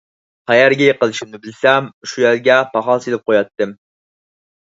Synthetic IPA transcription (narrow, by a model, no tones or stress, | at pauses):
χæjæɾɡʲɛjeqəlˠɨʃimnɪbɪlsɛmʃujæɾɡʲɛpʰɑχɑlˠselɪp̚qʰojɑt̪ːɨm